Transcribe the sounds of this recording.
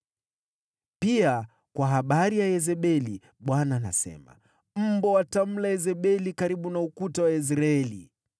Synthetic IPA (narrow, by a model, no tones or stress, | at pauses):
pia | kwaɦaɓaɾijajɛzɛɓɛli | ɓwanana̰sɛ̰ma̰ | m̩bɔwatam̩laɛzɛɓɛlikaɾiɓunaukutawais̬ɾaɛlḭ